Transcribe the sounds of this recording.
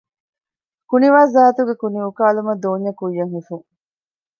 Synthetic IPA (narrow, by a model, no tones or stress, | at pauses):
kuniʋaːzaːt̪uɡekuniukaːlumɐd̪oːɲːɐkujːɐŋɦifuŋ